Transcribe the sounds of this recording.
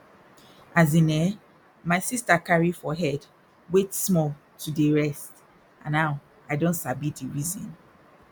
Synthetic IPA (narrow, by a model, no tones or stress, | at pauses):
ʔazinɛ | maɪsistakaɹifɔɦɛd | wetsmɔl | tʰudiɹɛst | ãnːaʊ | aɪdõntsabitdiɹizɔ̰̃n